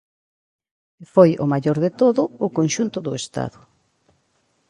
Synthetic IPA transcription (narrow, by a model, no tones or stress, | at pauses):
fojʊ̰maʎoɾðet̪oðʊːkonʃunt̪ʊðʊest̪a̰ðʊ